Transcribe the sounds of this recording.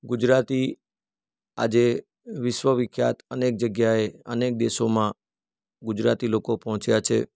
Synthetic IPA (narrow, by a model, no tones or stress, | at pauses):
ɡud͡ʒɾat̪i | a̰d͡ʒe | ʋɪʃwəʋɪkʰːja̰t̪ənek̚d͡ʒəɡjaeənek̚d̪eʃomã | ɡud͡ʒɾat̪ilokopɔɦɔ̃t͡ʃjat͡ʃʰḛ